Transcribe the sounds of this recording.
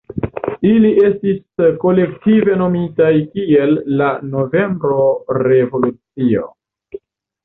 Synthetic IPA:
iliʔe̞stisko̞le̞ktive̞no̞mitajkie̞lːano̞ve̞mbɾo̞ɾe̞vo̞lut͡sio̰

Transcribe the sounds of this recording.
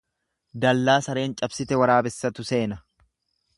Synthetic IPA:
d̪ɐlːaːsɐɾe̞ːnt͡ʃʼɐbsɪt̪ɛwɐɾaːbɛsːɐt̪ʊse̞ːnɐ

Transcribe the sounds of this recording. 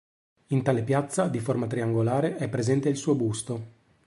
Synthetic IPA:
int̪aːlepjat̪sːad̪iformat̪ɾiaŋɡolaːɾeʔɛpːɾezɛnt̪eilsuːobust̪o

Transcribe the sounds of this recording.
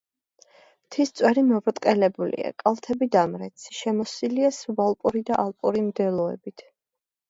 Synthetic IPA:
t̪ʰist̪sʼwɛɾimɔvɾt̪ʼqʼɛlɛbulḭa̰kʼalˠt̪ʰɛbid̪amɾɛt̪sʰi̥ʃɛmɔsiliasuvalˠpʼuɾid̪aʔalˠpʼuɾimd̪ɛlˠɔɛ̰bit̪ʰ

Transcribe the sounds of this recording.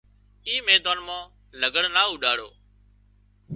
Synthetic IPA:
iːmeːd̪aːnmãː | ləɡəɽnaːuːɗaːɽo̰ː

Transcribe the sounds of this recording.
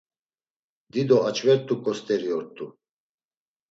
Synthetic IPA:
d̪id̪ɔat͡ʃʰʼvɛɾt̪ʼukʼɔst̪ʼɛɾiɔɾt̪ʼu

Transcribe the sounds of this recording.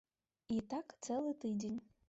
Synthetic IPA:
it̪ak̪selˠɨt̪ɨdʲenʲ

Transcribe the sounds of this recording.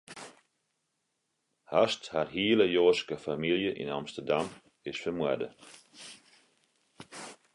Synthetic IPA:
hastharɦiələjoːskəfamilˠjəʔḭnamstərdam | ɪsfərmwɛ̰də̰

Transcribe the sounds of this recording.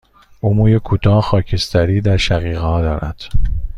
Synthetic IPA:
ʔumuːjekʰuːt̪ʰɒːxɒːcʰest̪æɾiːd̪æɾʃæɣiːɣhɒːd̪ɒːɾæ̰d̪̥

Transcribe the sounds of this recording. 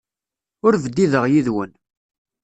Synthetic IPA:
ʊɾvəd̪iðəʁjiðwən

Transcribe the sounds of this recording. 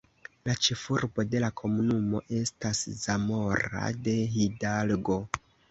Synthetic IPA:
lat͡ʃefuɾbo̞de̞lakʰo̞munumo̞̰ʔe̞stasz̥amo̞ɾa̰de̞ɦidalɡo

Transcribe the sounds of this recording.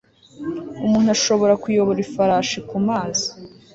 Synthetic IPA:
umuːnuaʃo̞βo̞ɾakujoβoɾifaɾaːʃikumaːzi̥

